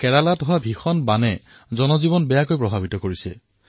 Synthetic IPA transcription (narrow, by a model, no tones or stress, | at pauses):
kɛɹalatɦʊwabʱixɔnbanɛ | zɔnɔzibɔnbɛjakojpɹɔbʱabitɔkoɹisɛ̰